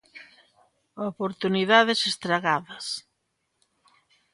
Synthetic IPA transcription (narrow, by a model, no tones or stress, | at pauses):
opoɾt̪uniðaðesest̪ɾaɣaðɐs